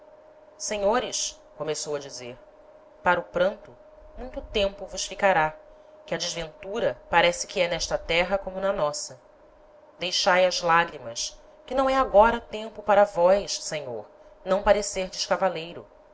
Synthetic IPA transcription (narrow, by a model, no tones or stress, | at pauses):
sẽɲoɾɪʃ | komesowɐd͡ʒizeɾ | paɾɐʊpɾɐ̃nt̪ʊ | mũj̃t̪ʊt̪ẽmpʊvʊsfikaɾa | kɪɐd͡ʒɪzvẽnt̪uɾɐpaɾɛsɪ̥kʰɪɛnɛʃt̪ɐt̪ɛɦɐkõmʊnɐnɔsɐ | d̪ejʃajɐzlaɡɾimɐs | kɪnɐ̃w̃ɛaɡɔɾɐt̪ẽmpʊpaɾɐvɔjssẽɲo̰ɾ | nɐ̃w̃paɾeseɾd͡ʒɪʃkavalejɾʊ